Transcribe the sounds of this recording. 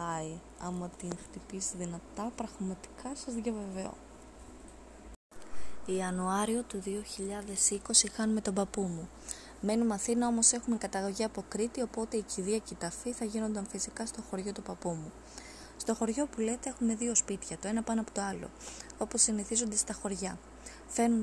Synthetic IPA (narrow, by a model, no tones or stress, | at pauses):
ɐi | ɐmɐt̪inxt̪ipisiðinɐt̪ɐpɾɐɣmɐt̪i̥kʰɐsɐzðʝɐve̞ve̞o̞̰ | iɐnuɐɾio̞t̪uðioçiʎɐðe̞siko̞sixɐnume̞t̪o̞bɐpumu | me̞numɐθinɐo̞mo̞se̞xume̞kɐt̪ɐɣo̞ʝiɐpo̞kɾit̪io̞po̞t̪e̞iciðiɐcit̪ɐfiθɐʝino̞nd̪ɐnfisikɐst̪o̞xo̞ɾʝo̞t̪upɐpumu | st̪oxo̞ɾʝo̞pule̞t̪e̞e̞xume̞ðio̞spit̪çɐt̪o̞e̞nɐpɐnoɐpo̞t̪o̞ɐlo̞̰o̞po̞siniθizo̞nd̪e̞st̪ɐxo̞ɾʝɐ | fe̞num